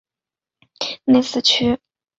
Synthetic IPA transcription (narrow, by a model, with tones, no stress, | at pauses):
ne˥˧ɪsɹ̩˥˧t͡ɕʰy˥